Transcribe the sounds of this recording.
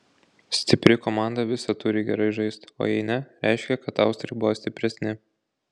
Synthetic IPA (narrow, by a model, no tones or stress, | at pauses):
sʲt̪ʲɪpʲɾʲɪkomɑˑnd̪ɐʋʲɪsɐt̪ʊɾʲɪɡʲɛɾɐɪʒɐɪst̪o̰ːjɛɪnʲɛɾʲæˑɪʃʲkʲɛkɐt̪ɑˑʊst̪ɾʲɛɪbʊʋoːsʲt̪ʲɪpʲɾʲɛsʲnʲɪ